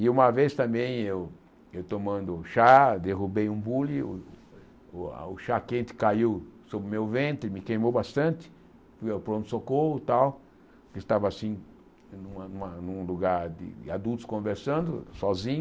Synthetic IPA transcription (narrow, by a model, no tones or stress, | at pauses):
ɪũmɐvest̪ɐ̃mbẽj̃ew | ewt̪omɐ̃nd̪ʊʃad̪eɦubejũbuliʊ | ʊʃakẽnt͡ʃ̪ɪ̥kaiwsobɾɪmewvẽnt̪ɾɪmɪkejmowbast̪ɐ̃nt̪ɪ̥ | fujapɾõt̪ʊ̥sokoʊt̪aw | kɪst̪avɐasĩ | nũmɐnũmɐnũluɡaɾd̪ɪ̰dɪad̪ut̪ʊ̥skõveɾsɐ̃nd̪ʊ̰sɔzĩɲ